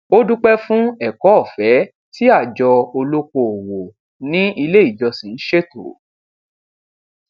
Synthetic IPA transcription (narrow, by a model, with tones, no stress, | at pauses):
o˦du˦k͡pɛ˦fũ˦ɛ˨kɔ˨˦ɔ˦˨fɛ˨˦ | ti˦a˦˨d͡ʒɔ˧o˧lo˦ko˧o˨wo˨ | nĩ˦ʔi˧le˦i˦˨d͡ʒɔ˧sĩ˨n̩˦ʃe˦to̰˨